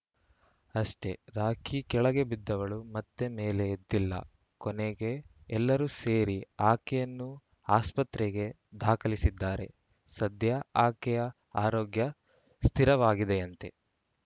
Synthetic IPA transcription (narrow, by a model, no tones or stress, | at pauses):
ɐʂʈe̞ɾaːkikɛɭɐɡe̞bid̪ːɐʋɐɭumɐt̪ːemeːleːd̪ːilːɐ̰ | kɔneɡe̞ːlːɐɾuse̞ːɾiaːkɛjɐnːu | aːspɐt̪ɾeɡe̞ | d̪ʱaːkɐlisid̪ːaːɾe̞̰ | sɐd̪ʱjɐaːkɛjɐ | aːɾoːɡjɐ | st̪ʰiɾɐʋaːɡid̪e̞ɐnt̪e̞